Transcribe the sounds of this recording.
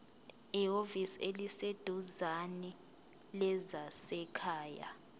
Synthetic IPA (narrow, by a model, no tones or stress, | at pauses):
ioviselised̥ʱuzanɛ | lɛzasɛkʰaːja̰